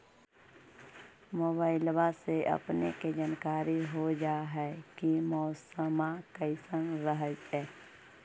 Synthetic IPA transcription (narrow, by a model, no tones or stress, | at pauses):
moːbaːɪlwaseʔə̰pneked͡ʒaːnkaːɾiɦod͡ʒaːɦɛːkimɔːsəmakəɪsənɾəɦəd͡ʒɛː